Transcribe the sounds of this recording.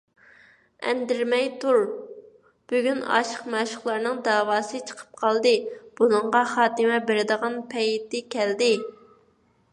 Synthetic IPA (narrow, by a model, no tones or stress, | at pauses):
ɛ̰nd̪ɪɾmɛjt̪ʰuɾ | b̥yɡʲynɑ̰ʃə̥qmæʃʊχlˠɑɾnɨŋd̪ɑːwɑːsɨt͡ʃʰə̥qʰə̥p̚qʰɑlˠd̪ɨb̥unɨɴʁɑχɑːt̪ɨmɛbeɾɪd̪əʁɑnpʰɛjt̪ɪkʲʰɛld̪ɪ